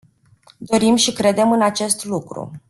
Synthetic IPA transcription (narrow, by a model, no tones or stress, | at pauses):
d̪o̞ɾimʃikɾe̞d̪e̞mɨnat͡ʃe̞st̪lukɾṵ